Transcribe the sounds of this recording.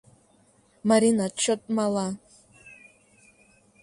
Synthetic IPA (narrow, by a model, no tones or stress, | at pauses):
maɾinat͡ʃʰːotʼmala